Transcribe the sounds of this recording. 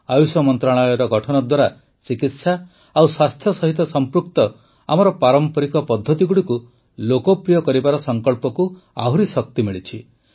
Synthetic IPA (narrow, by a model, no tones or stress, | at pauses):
ajusɔmɔnt̪ɾaɭɔjɔɾɔɡʱɔʈʰɔnɔd̪waɾa | sikit̪sa | awswast̪ʰjɔsɔɦit̪ɔsɔmpɾuk̚t̪ɔ | a̰mɔɾɔpaɾɔmpɔɾikɔpɔd̪ʱːɔt̪iɡuɽiku | lokɔpɾijɔkɔɾibaɾɔsɔŋkɔɭpɔku | a̰ɦuɾisɔkt̪imiɭit͡ʃʰi